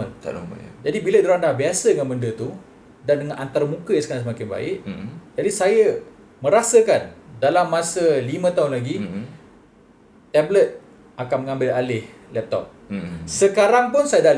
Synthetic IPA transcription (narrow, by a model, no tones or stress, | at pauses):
əna̰d͡ʒadibilədoɾandahbiasədəŋanbəndət̪u | dandəŋãnʔant̪aɾəmũkəjaŋsəkaɾaŋsəmakɪnba̰ɪ̰ʔd͡ʒadisajə | mə̃ɾasəkandalamːasəlimə̃t̪aɦʊnlaɡi | t̪ɛblət̪̚ | ʔakanmə̃ŋãmbɪlalɪh | lɛp̚t̪ɔ̰p̚səkaɾaŋpʊnsajədal